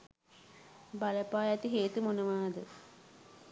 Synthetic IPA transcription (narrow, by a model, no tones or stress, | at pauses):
baləpaːjat̪iɦeːt̪umonəʋaːd̪ə